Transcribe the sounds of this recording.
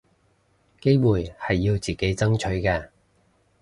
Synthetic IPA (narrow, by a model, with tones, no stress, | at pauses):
ke˥jmuː˨˩jhɐ˨jːiː˧wt͡siː˨ke˨˥jt͡sɐ˥ŋt͡ʃʰɵ˨˥ɥkɛː˧